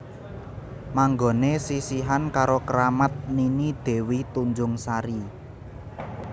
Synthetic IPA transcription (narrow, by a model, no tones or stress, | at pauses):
maŋɡo̤nesisiɦankaɾokəɾamət̪̚ninid̪̥e̤wit̪uɲd͡ʒʊŋsaɾi